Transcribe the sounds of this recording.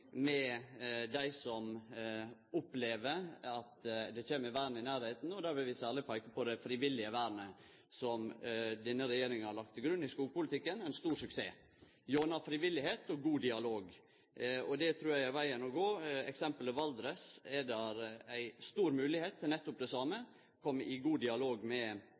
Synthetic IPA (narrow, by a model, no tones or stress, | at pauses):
mɛd̪æɪsɔm | ʊpleːʋəɾɑt̪d̪ɛc͡çeːməəʋæːɾɳəɪnæːɾheɪt̪n̩ɔd̪æːɾʋɪʋɪsæːlɪpʰæɪkːəpɔd̪ɛfɾɪʋɪlːɪəʋæːɾɳə | sɔmd̪ɛnːəɾɛjeːɾɪŋənhɑɾɭɑk̚t̪ʰːɪlɡɾʉnːɪskuːɡpʊlɪt̪ʰɪkːənæɪnst̪uːɾsʉkseː | joːnɑfɾɪʋɪlːɪheːt̪ɔɡuːd̪ɪɑloːɡ | ɔd̪ɛt̪ʰɾuːɾjæɪæʋæɪənɔɡoːɛ̰ksɛmpələʋɑld̪ɾɛsɛd̪æɾæɪst̪uːɾmʉːlɪheːt̪ʰːnɛt̪ːʊp̚d̪ɛsɑːmə | kʰɔmːɪɡuːd̪ɪɑloːɡmɛ